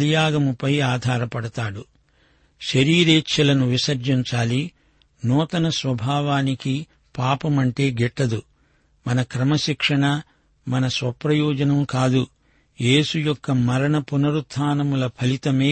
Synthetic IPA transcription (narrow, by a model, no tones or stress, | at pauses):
lijaːɡɐmupɐjaːd̪ʱaːɾɐpɐɽɐt̪aːɽu | ʃɐɾiːɾeːt͡ʃʰːɐlɐnuʋisɐɾd͡ʒiɲt͡ʃaːli | nɔːt̪ɐnɐsʋɐbʱaːʋaːniki | paːpɐmɐɳʈe̞ːɡɛʈːɐd̪u | mɐnɐkɾɐmɐʃikʂɐɳɐ | mɐnɐsʋɐpɾɐjɔːd͡ʒɐnɐmkaːd̪u | jeːsujɔkːɐmɐɾɐɳɐpunɐɾut̪ʰːaːnɐmulɐpʰɐlit̪ɐme̞ː